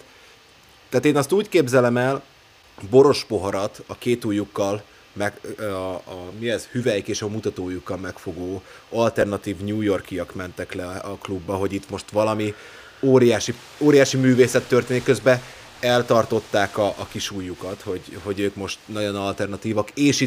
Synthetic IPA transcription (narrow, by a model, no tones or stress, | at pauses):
t̪ɛːt̪eːnɒst̪uːckeːbzɛlɛmɛl | bo̞ɾo̞ʃpo̞ɦɒɾɒt̪ɒkeːt̪uːjukːɒl | mɛ | miɛzhyvɛjkeːʃɒmut̪ɒt̪oːjukːɒlmɛkfo̞ɡoːɒlt̪ɛrnɒt̪iːvɲuːjo̞rkiɒkmɛnt̪ɛklɛɒklubːɒɦo̞ɟit̪mo̞ʃt̪ʋɒlɒmi | oːɾijaːʃi | oːɾijaːʃimyːveːsɛt̪ːørt̪eːnikːøzbɛ | ɛlt̪ɒrt̪o̞t̪ːaːkɒʔːkiʃuːjukɒt̪ho̞ɟho̞ɟøːkmo̞ʃt̪nɒɟo̞nɒlt̪ɛrnɒt̪iːvɒkeːʃi